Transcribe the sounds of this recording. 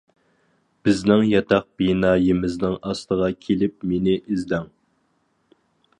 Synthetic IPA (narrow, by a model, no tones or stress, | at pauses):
b̥ɪznɪŋjɑt̪ʰɑq̚binɑːjimɪznɪŋɑst̪əʁɑkʲʰelɪp̚menɪʔizd̪ɛŋ